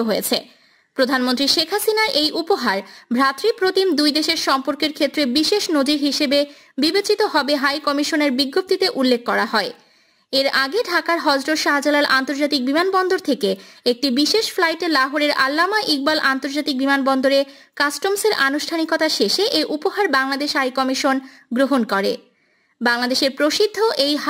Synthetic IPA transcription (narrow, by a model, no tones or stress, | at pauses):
ɦojet͡ɕʰe | pɾod̪ʱanmont̪ɾiʃekʰɦasinaɾʔejʔupoɦaɾbʱɾat̪ɾipɾot̪imd̪ujd̪eʃeɾʃɔmpoɾkeɾkʰet̪ːɾebiʃeʃnod͡ʑiɾɦiʃebe | bibet͡ɕit̪oɦɔbeɦajkɔmiʃoneɾbiɡːop̚t̪it̪eʔulːekːɔɾaɦɔe | eɾaɡeɖʱakaɾɦɔd͡ʑɾoɾʃaɦad͡ʑalalʔant̪oɾd͡ʑat̪ik̚bimanbɔnd̪oɾt̪ʰekeek̚ʈibiʃeʃflajʈelaɦoɾeɾa̰lːamaʔiɡ̚balʔant̪oɾd͡ʑat̪ik̚bimanbɔnd̪oɾe | kasʈomseɾʔanuʃʈʰanikot̪aʃeʃeʔejʔupoɦaɾbaŋlad̪eʃɦajkɔmiʃon | ɡɾoɦonkɔɾḛ | baŋlad̪eʃeɾpɾoʃid̪ʱːoʔej